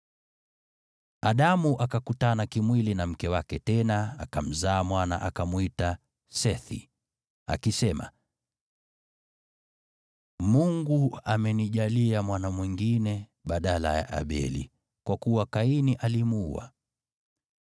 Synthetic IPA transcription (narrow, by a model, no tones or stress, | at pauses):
aɗamuʔakakutanakimwilinam̩kɛwakɛtɛnaakam̩zaːmwana̰ʔakamuita | sɛθḭ | a̰kisɛma̰ | muŋɡuamɛniʄaliamwanamwiŋɡinɛ | ɓaɗala̰ja̰ʔa̰ɓɛ̰lḭ | kwakuwakainiʔalimuua̰